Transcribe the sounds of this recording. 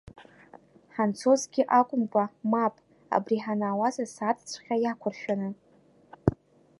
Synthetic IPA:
ħant͡sʰo̞zɡʲɪʔakʷʼʊmkʷʼamapʼ | a̰briħanaːwazasatʰʼt͡sʷʰʼχʲajakʷʰʊrʃᶣanɨ

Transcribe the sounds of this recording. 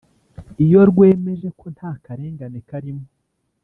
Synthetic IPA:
ijo̞ɾɡwe̞ːme̞ʒe̞kʰo̞n̥haːkaɾe̞ːŋɡanekaɾimo

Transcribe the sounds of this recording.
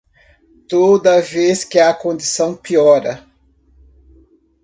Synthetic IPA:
t̪od̪ɐveskɪakõnd͡ʒ̪isɐ̃w̃piɔɾɐ

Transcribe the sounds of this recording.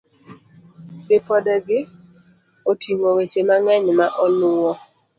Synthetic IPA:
sɪpɔdɛɡɪ | otʰiŋowet͡ʃemaŋɛɲmaʔɔlʊwɔ

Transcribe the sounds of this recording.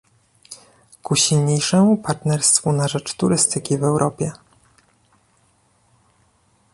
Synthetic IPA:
kuɕilɲejʂɛmupaɾt̪nɛɾst̪funaʐɛt͡ʂt̪uɾɘst̪ɘkʲivɛwɾʔɔpʲjɛ

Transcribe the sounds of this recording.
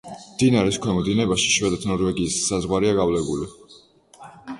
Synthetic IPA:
md̪̥inaɾiskʰwɛmɔd̪inɛbaʃi̥ʃwɛd̪at̪ʰnɔɾvɛɡiːsːazʁwaɾiaɡavlɛbuli

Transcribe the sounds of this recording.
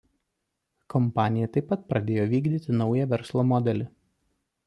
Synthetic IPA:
kɔmpɑːnʲɪjɛt̪ɐɪpːɐt̪̚pɾɐd̪ʲeːjoːʋʲiːɡd̪ʲiːt̪ʲɪnɒʊjɛʋʲɛɾslˠoːmɔd̪ʲɛlʲɪ

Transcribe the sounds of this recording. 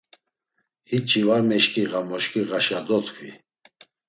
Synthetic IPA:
hit͡ʃʰʼivaɾmɛʃkʼiɣamɔʃkʰʼiɣaʃad̪ɔt̪ʰkʰʼvḭ

